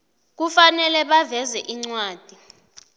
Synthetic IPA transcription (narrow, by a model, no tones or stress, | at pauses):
k̬ufanɛlɛɓavɛzɛʔiŋ͡ǀwaːd̥ʱi